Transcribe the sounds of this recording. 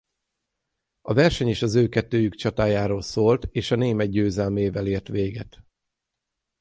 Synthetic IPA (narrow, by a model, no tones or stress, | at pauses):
ɒvɛrʃɛɲeːʃɒzøːkɛt̪ːøːjykt͡ʃɒt̪aːjaːɾoːlsoːlt̪eːʃɒneːmɛɟ̪̚ɟøːzɛlmeːvɛleːrt̪ʋeːɡɛ̰t̪